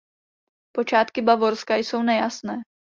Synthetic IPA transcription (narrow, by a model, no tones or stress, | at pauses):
po̞t͡ʃaːt̪kɪbavo̞ɾskajso̞wnɛjasnɛː